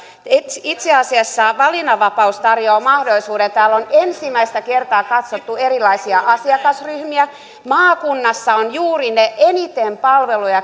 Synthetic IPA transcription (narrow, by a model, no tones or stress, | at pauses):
et̪it̪seɑsiɑsːɑʋɑlinɑʋɑpɑust̪ɑrjoːmɑhdolisuːdent̪æːlːonensimæist̪ækert̪ɑːkɑt̪sot̪ːuerilˑɑisiɑʔɑsiɑkɑsryhmiæ | mɑːkunːɑsːɑonjuːrineʔenit̪empɑlʋelujɑ